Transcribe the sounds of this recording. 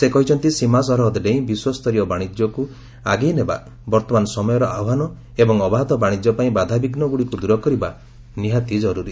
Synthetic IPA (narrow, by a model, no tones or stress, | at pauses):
sekɔɦit͡ʃʰɔnt̪isimas̬ɔɾɦɔd̪ɖeĩbiswɔst̪ʰɔɾijɔbaɽ̃id͡ʒjɔku | aɡijneba̰ | bɔɾt̪ɔmanɔsɔmɔjɔɾɔaɔɦanɔ | ebɔŋɔbaɦt̪ɔbaɽ̃id͡ʒjɔpaĩbad̪ʱabiɡnɔɡuɽikud̪uɾɔkɔɾiba | niɦat̪id͡ʒɔɾuɾi